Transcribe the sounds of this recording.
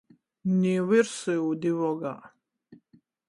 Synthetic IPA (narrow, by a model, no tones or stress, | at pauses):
niwiɾsiud̪ivɔɡa